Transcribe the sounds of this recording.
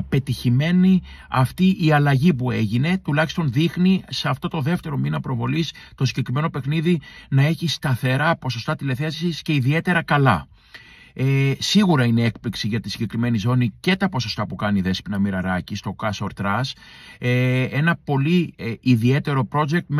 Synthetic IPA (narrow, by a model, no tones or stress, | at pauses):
pe̞t̪içime̞ni | ɐft̪iʔiɐlɐʝipue̞ʝine̞t̪ulɐçist̪o̞nðixniseɐft̪o̞t̪o̞ðe̞ft̪e̞ɾo̞minɐpɾo̞vo̞list̪o̞siɟe̞kɾime̞nope̞xniðinɐe̞çist̪ɐθe̞ɾɐpo̞so̞st̪ɐt̪ile̞θesisce̞iðie̞t̪e̞ɾɐkɐlɐ̰ | esiɣuɾɐine̞e̞k̚pliksiʝɐt̪isiɲɟe̞kɾime̞nizo̞nice̞t̪ɐpo̞so̞st̪ɐpukɐniðe̞spinɐmiɾɐɾɐcist̪o̞kɐsoɾt̪ɾɐs | e̞nɐpo̞liiðie̞t̪e̞ɾo̞pɾo̞d͡ʒe̞k̚t̪m